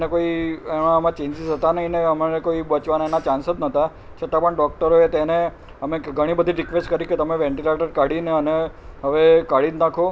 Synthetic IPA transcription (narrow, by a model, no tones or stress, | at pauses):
nekoiemãəmãt͡ʃẽɲd͡ʒizɦət̪anəɦĩneəmnekoibət͡ʃʋanaenat͡ʃãnsət̪nət̪a | t͡ʃʰət̪ãpəɳɖɔk̚ʈəɾoet̪ene | əmeɡʱəɽ̃ibəd̪ʱiɾikʋesʈkəɾiket̪əmeʋeɳʈileʈəɾkaɽineəneɦəʋekaɽid̪nakʰo